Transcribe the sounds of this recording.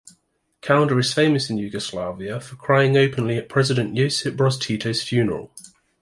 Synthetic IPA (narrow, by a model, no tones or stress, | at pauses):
kʰalə̃ndəɹɪz̥fẽɪ̃məsɪ̃njʉːɡəslaːviəfəkʰɹ̥aɪɪ̃ŋəʊpʰə̃nliəʔpʰɹ̥ɛzɪdə̃nʔjəʊsɪb̥ɹɒztʰiˑtʰəʊz̥fjʉːnəɹə̰lˠ